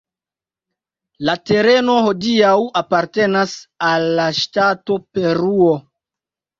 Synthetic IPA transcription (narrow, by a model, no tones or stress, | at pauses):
late̞ɾe̞no̞ho̞diawapaɾte̞nasalːaʃtato̞pe̞ɾuo̞